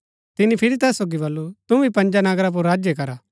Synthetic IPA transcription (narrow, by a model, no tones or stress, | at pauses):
t̪ɪnipʰɪɾit̪ɛːsːoːɡibɐlːut̪ubʱipɐ̃ɲd͡ʒanɐɡɾap̬ʊɾːaːd͡ʒjekɐɾaː